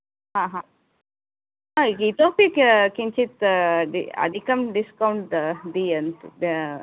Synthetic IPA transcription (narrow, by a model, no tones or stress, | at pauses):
ɦãːɦã | ait̪oːpikkiɲt͡ʃit̪ɖiɐ̰d̪ʱikɐmɖiskɐwɳʈd̪iːɐnt̪